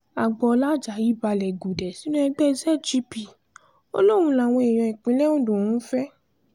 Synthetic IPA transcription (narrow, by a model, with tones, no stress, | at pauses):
a˨ɡ͡bɔ˧la˦d͡ʒa˨˦ji˦ba˧lɛ˨ɡu˨dɛ˨si˨˦nũ˦ɛ˧ɡ͡bɛ˦˧zɛ˦˨d͡ʒi˧˦pi˨ | o̰˦lo˦˨w̃ũ˧˦la˨w̃ɔ̃˧e˨j̃ɔ̃˧ɛ˨k͡pĩ˨˦lɛ˦ũ˦˨dũ˨ũ˦fɛ˦